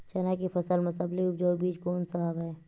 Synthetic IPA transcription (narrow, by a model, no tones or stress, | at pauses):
t͡ʃɐnakifɐsəlmɐsəbliʊpd͡ʒoːbiːt͡ʃkoːnsɐɦəbɦɛː